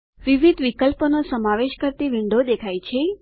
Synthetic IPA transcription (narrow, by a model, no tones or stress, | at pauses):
ʋiʋid̪ʋikəlponosəmaʋeʃkəɾt̪iʋiɳɖod̪ekʰajt͡ʃʰe